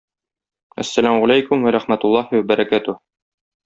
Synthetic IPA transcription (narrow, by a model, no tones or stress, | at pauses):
æ̰sːælæmʁælæjkumwæɾæχmæt̪ʊlˠːɑhiwæbæɾækæt̪u